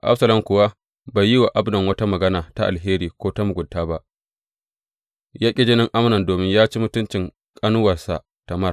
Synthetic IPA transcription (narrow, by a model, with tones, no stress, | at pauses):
ʔa̰˦bsɐ˨lɐ˦mkʷʊ˨wa˦ | ba˨ji˦wa˨ʔa˦bnɐ˨ŋwɐ˦ta˦mɐ˨ɡɐ˦naː˨ta˦ʔa̰˨lɦeː˦ɾiː˨kʷoː˦ta˦mu˨ɡʷʊ˨ntːaː˦ba˦ʔ | jaː˦kʲʼɪ˦d͡ʒɪ˦nɪ˦ŋʔa˦mnɐ˨ndoː˨mɪ˦ɲjaː˦t͡ʃi˦mʊ˦tʊ˦nt͡ʃɪ˨ŋ | kʼɐ˦nʊ˦wɐ˨rsa̰˨ | ta˨mɐ˦r